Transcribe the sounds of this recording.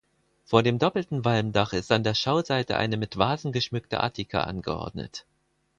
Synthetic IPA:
foːɐdeːmdɔpl̩tn̩valmdaχɪstandeːɐʃaʊzaɪtə̰ʔa̰ɪnəmɪtv̥aːzn̩ɡəʃmʏk̚tə̰ʔa̰ɐtʰikʰə̰ʔa̰nɡəʔɔ̰ɐdnə̰t

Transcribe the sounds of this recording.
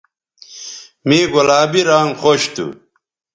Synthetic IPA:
miːɡolaːbiɾaːŋxoɕt̪ṵ

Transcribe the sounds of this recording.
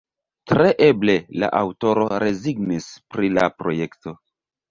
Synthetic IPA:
tɾe̞ʔe̞ble̞la̰ʔawto̞ɾo̞ɾe̞ziɡnispɾilapɾo̞je̞kto̞

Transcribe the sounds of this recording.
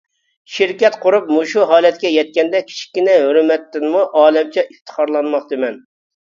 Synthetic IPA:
ʃiɾkʲɛt̪qʰʊɾup̚muʃuɦɑːlˠɛt̪̚kʲɛjɛt̪̚kʲɛnd̪ɛkʲʰi̥t͡ʃʰi̥kʲːinɛɦøɾmɛt̪ːɪnmuʔɑːlɛmt͡ʃʰɛʔift̪ʰə̥χʰɑɾlˠɑnmɑχd̪ɨmɛn

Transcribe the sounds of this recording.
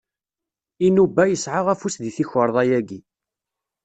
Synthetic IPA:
inubːæjəsʕaʁæfusðiθiçəɾˤðˤɑjæɡi

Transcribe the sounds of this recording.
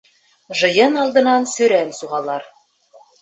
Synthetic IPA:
ʒɤ̆jɤnɑlˠd̪ɤ̆nɑnsɵ̆ɾænsuʁɑlˠɑɾ

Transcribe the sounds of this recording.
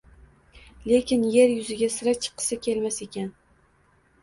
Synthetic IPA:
le̞kʲʰɪnje̞ɾjʊzɪɡʲasɪɾat͡ʃʰɨ̥qʰːɨ̥sakʲʰe̞lmase̞kʲʰan

